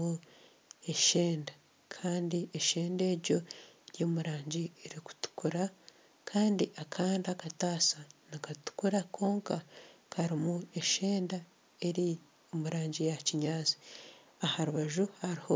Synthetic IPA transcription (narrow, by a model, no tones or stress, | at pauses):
u | e̞ʃeːnda | kʰaːndieʃe̞ːnde̞ːɾɟo̞joːmuɾaːɲɟieɾiku̥tu̥kuɾa | kʰaːndiʔakʰaːndakataːsanakatu̥kuɾakʰo̞ːŋkakʰaɾimue̞ʃe̞ːnda | e̞ɾi | omuɾaːɲɟijaciɲaːzi̥ | ahaɾuβaʒuhaɾiho